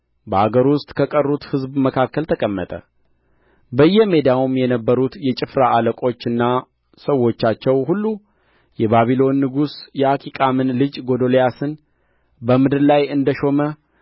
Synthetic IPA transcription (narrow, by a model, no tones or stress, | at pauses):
bəaɡəɾwʊst̪ʼkʰəkʼərːut̪hɨzbməkʰakːəlt̪ʰəkʼəmːət̪ʼə̰ | bəjːɛmed̪awumjɛnəbːəɾut̪jɛt͡ʃʼɪfɾaʔaləkʼo̞t͡ʃːɨnːa | səwːo̞t͡ʃːat͡ʃːɛwhulːu | jɛβaβilo̞nːɨɡusjɛakʼikʼamɨnlɨd͡ʒɡo̞d̪o̞lejasɨn | bəmɨd̪ɨɾlajɨnd̪əʃo̞mə